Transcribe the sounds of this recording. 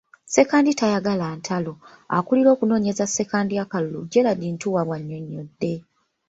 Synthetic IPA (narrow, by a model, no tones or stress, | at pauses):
se̞kaːnditajaɡalaːntʰalo | a̰kuliɾo̞ːkuno̞ːɲe̞zasːe̞kaːndiakaluluɟeladintuwaβwaɲːo̞ɲːodːe̞